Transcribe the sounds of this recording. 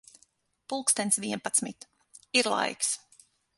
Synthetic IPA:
pulˠkst̪ɛnt̪svʲiɛnpat̪smit̪ | iɾlˠa̰jks

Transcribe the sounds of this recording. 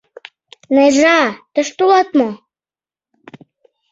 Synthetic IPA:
neʒɑt̪ə̆ʃt̪ulɑt̪mo

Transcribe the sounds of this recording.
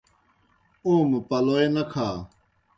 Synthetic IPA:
õːmpɐloːenɐkʰaː

